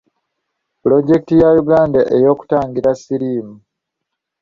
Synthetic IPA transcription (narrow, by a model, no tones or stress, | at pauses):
plo̞ɟe̞kitijajuɡaːndaʔejo̞ːku̥taːŋɡiɾasiɾiːmu